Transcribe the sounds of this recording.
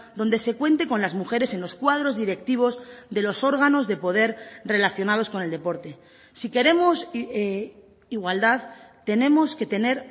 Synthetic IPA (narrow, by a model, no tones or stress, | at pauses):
d̪o̞nd̪e̞se̞kwe̞nt̪e̞ko̞nlazmuxe̞ɾe̞se̞nlo̞skwað̞ɾo̞zðiɾe̞k̚t̪iβ̞o̞zðe̞lo̞so̞ɾɣano̞zðe̞po̞ð̞e̞ɾre̞laθjo̞nað̞o̞sko̞ne̞ld̪e̞po̞ɾt̪e̞ | sike̞ɾe̞mo̞s | iɣwald̪aðt̪e̞ne̞mo̞ske̞t̪e̞ne̞ɾ